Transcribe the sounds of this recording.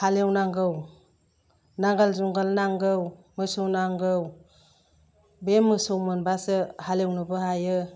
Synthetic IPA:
halewnaŋɡɯw | naŋɡalzuŋɡalnaŋɡɯwmɯsownaŋɡɯw | bemɯsowmɯnbasɯhalewnɯbɯhajɯ

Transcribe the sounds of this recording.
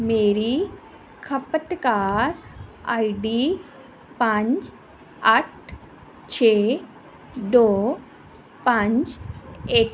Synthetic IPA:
meːɾi | kʰəpəʈ̪kaːɾajɖi | pãɲt͡ʃ | aʈ̚ | t͡ɕʰe | d̪o | pãɲt͡ʃek

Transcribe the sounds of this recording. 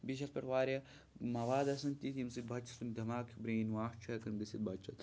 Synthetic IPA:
biʃɐlpʲɐʈʋaːɾʲja | mɐʋaːd̪ɐsɐnt̪it̪ʲimsid̪̚bɐt͡ʃʰɐ̥sund̪ɐmaːkʰbɾeːnwaːht͡ʃʰɐkɐnd̪isid̪̚bɐt͡ʃʰɐt̪

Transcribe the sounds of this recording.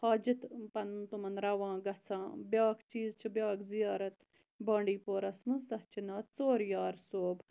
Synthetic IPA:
haːd͡ʒɪt̪pɐnt̪umɐnɾɐʋãːɡɐt͡sʰãːbʲjaːkt͡ʃiːzt͡ʃʰibʲjaːkzijaːɾɐt̪ | bãːɳɖiːpoːɾɐsmusɐht͡ʃʰinaːt̪̚t͡soːɾjaːɾsoːb

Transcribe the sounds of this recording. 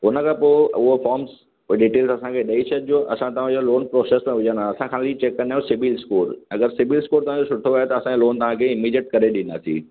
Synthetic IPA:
ɦʊnə̆kʰãːpoːʊɦofɔːɾms | ʊeɗiːʈeːlzɐsãkʰeɗɐiʃed͡ʑoʔɐ̰sãt̪ɐʋ̤ãd͡ʑoloːnpɾoːseːsmẽʋʊd͡ʑãnd̪aɐsãkʰaːlit͡ɕekːɐɾnaɦjũsɪʋilskuːɾɐɡəɾsɪʋiːlskuːɾt̪ɐʋãd͡ʑosʊʈʰoʋaːɦet̪ɐɐsãd͡ʑloːnt̪ɐʋãkʰeːɪmiːd͡ʑiəʈ̚kɐɾeɗɪnd̪aːsḭ̃ː

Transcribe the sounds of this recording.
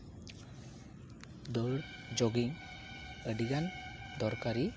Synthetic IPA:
d̪ɔɽ | d͡ʒoɡiŋ | əɖiɡand̪ʱɔɾkaɾi

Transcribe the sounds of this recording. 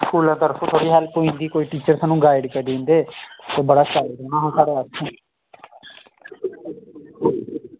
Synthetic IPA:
skʰuːlãːt̪əɾfʰõːt̪ʰoːɽiːɦɛlpoːĩnd̪iːkoːiːʈiːt͡ʃəɾsaːnũːɡaːɪɖkəd̪ĩːnd̪eːt̪eːbəɽaːʃaːɾd̪oːnãːɦːsaːɽeːətʰɛ̃ː

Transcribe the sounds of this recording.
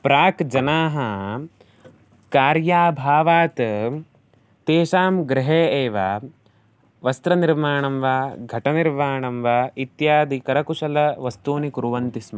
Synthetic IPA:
pɾaːkd͡ʒɐnaːɦɐ | kaːɾjaːbʱaːʋaːt̪ | t̪eːʃaːmɡɾɪɦeːeːʋaː | ʋɐst̪ɾɐniɾmaːɳɐmʋaːɡʱɐʈɐniɾmaːɳɐmʋaːit̪jaːd̪ʱikɐɾɐkuʂɐlɐʋɐst̪uːnikuɾuʋɐnt̪ismɐ

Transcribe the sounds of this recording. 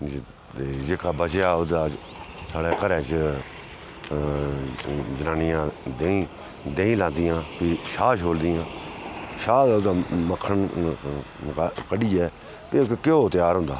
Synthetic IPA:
ed͡ʒeːkaːbət͡ʃjaːʊd̪aː | saːɽeːkəɾɛːt͡ʃ | d͡ʒənaːnɪjãːd̪eːĩː | d̪eːĩːlãːnd̪ɪjãːpiːʃaːʃɦoːld̪ɪːãːʃaːdʊd̪aːməkʰːən | kəɖiːɛː | pɪkkɪoːt̪ɪjaːɾɦʊ̃nd̪a̰ː

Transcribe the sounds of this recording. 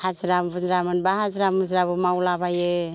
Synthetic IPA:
hazɾamβuzɾamɯnbaɦazɾamuzɾaβumawlaβaje

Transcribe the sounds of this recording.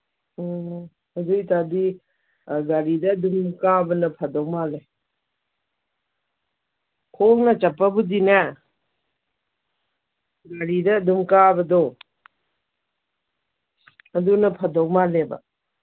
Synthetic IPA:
ɐdujt̪adi | ɡaɾidɐːd̪umkabɐnɐpʰɐdɔwmale | kʰoknɐt͡ʃɐpːabudina | ɡaɾidɐːd̪umkabɐdɔ | ɐdunɐpʰɐdɔwmaleba̰

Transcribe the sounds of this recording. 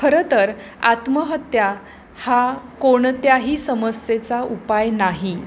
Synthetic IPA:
kʰəɾət̪əɾ | at̪məɦət̪ja | hakoɳt̪jaɦiːsəməset͡saʔupajnaɦi

